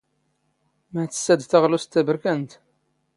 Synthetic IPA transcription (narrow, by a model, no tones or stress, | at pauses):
mæt͡sːə̥sːæd̪θæʁlust̪ːæbəɾkænt̪